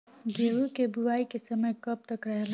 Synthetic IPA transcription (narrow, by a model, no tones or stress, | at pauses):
ɡeːʋukebuʋaːikesɐməjkɐp̚t̪ɐkɾəɦel